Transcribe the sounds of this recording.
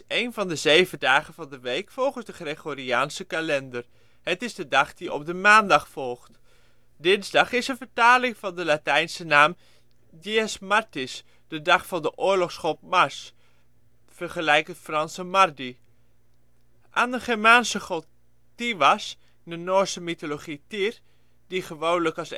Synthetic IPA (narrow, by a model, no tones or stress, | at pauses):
ejnvɑndəzejvədaːχəvɑndəʋejkfɔlˠχənzdəχreɣoːriaːnsəkalɛndər | hətɪzdədɑχd̥iɔ̰p̚dəmaːndɑχfɔlˠχt | dɪnzdɑχɪsənvəɹtaːlɪŋvɑndəlatɛjnsənaːm | diɛsmaɹtɪs | d̥ədɑχfɑndəʔʊːɹlɔχsχɔp̚maɹs | fərχəlɛjkətfrɑnsəmardi | ʔaːndəχɛɹmaːnsəχol | tiʋas | ndənoːsəmitoloχitir | d̥iχəʋownləkɑs